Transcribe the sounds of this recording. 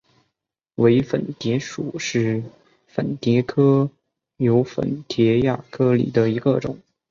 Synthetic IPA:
we˧˥ɪfə̰˨˩nt̪jɛ˧˥ʂṵ˨˩ʂɻ̩˥˩ | fə˨˩nt̪jɛ˧˥kʰɤ˥ | jo˧˥ʊfə̰˨˩nt̪ʰjɛ˧˥ja˥˩kʰɤ˥lḭ˨˩d̪ə˦i˧˥ɡə˧ʈ͡ʂʊ̰˨˩˦ŋ

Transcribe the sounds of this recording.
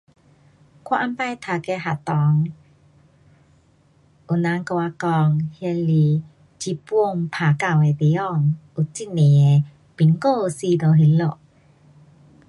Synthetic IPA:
kʰwa˧˨ʔa˧mpa˧˨jt̪ʰa˨ke˧ɦa˨t̪ɔ˨˦ŋ | u˨na˧˦ŋko˧a˧kɔ˧ŋhje˧li˧ | t͡ɕi˧po˥˧ŋpʰa˨ka˧˨we˨t̪e˨˧˦ɔ˧˨ŋu˨t͡si˦˨ne˨e˨ | pi˨nko˥˧˨si˧d̪o˨˧ɦi˧lo˧˨ʔ

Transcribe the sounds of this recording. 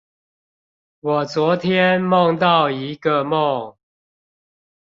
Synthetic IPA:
wɔ˨˩t͡swɔ˨˦t̪ʰjɛ˦nmɔ˥˨ŋt̪ɑ˥˨ʊi˨˦ɡə˨mɔ˥˨ŋ

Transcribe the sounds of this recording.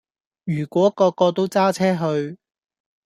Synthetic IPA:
jyː˨˩kʷwɔː˨˥kɔː˧kːɔː˧t̪o˥wt͡saː˥t͡sʰɛː˥ɦɵ˧ɥ

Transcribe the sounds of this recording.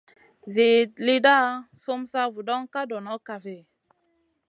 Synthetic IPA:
ze˨li˦da˦˨so˦msa˦vu˨dɔ˦ŋka˦dɔ˨nɔ˦ka˨ve˨

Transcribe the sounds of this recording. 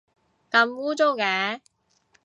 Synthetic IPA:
kɐ˧mwuː˥t͡so˥wkɛː˨˧˥

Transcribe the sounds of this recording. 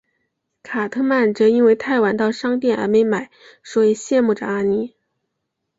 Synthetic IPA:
kʰa˨˩t̪ʰɤ˥ma˥˩nʈ͡ʂɤ˧˥i˥nwe˥˧ɪt̪ʰa˥˩ɪwa˧˥nt̪ɑ˥˩ʊʂɑ˥ŋt̪jɛ˥˩nʔə̰˧˥me˧˥ɪma˨˩˦ɪ | swɔ˧˥i˨˥ɕjɛ˥˧nmu˥˩ʈ͡ʂə̰˩a˥ni˧˥

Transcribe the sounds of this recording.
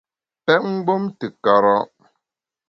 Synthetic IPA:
pɛ˦ŋ̩˦ɡ͡bo˦mtɨ˨ka˨ɾɔ˦

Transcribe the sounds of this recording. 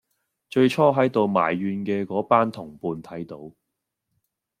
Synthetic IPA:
t͡ʃɵ˧ɥt͡ʃʰɔː˥ɦɐ˨˥jt̪o˨wma̰ː˨˩jːyː˧nkɛː˧kɔː˨˥paː˥nt̪ʰʊ˨˩ŋpuː˧nt̪ʰɐ˨˥jt̪o˨˥w

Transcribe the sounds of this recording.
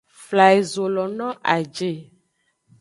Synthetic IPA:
fla˨e˨zo˨lɔ˨nɔ̃˦ʔa˨d͡ʒe˦˨

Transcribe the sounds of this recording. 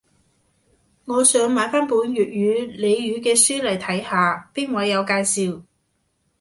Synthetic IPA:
ŋɔː˨˧sœː˨˥ŋmaː˨˥jfaː˥npuː˨˥njyː˨t̚jyː˨˧le˨˧jɥyː˨˧kɛː˧syː˥lɐ˨˩jt̪ʰɐ˨˥jhaː˨˧piː˥ŋ̚wɐ˨˧jːɐ˨˧wkaː˧jsiː˨w

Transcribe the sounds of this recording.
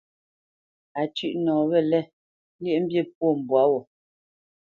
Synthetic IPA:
a˨t͡ʃʉ˨ʔnɔː˨βɛ˦˨lɛ˦˨˦ | lje˦˨m̩˦bje˦˨p̚wo˦˨m̩˨bwa˨˦wɔ˨

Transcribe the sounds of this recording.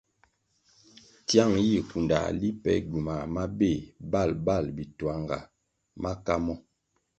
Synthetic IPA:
tja˦˨ŋji˦˨ku˨nda̰˨li˦pɛ̰˦ɟu˨ma˨ma˦be˦˨ba˦˨lba˦˨lbi˨twa˨˦ŋɡa̰˨ | ma˦ka˦mɔ˦

